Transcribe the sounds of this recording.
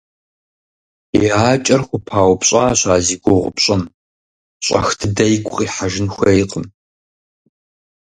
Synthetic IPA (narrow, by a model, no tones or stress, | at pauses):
iaːt͡ʃʼɐrxʷʊpʰaːwpɕʼaːɕaːziːɡʷʊʁʷʊ̰pɕʼɐm | ɕʼɐ̰xtʰɨdɐjkʷʼqʼiːħaʒɪnxʷɐiqəm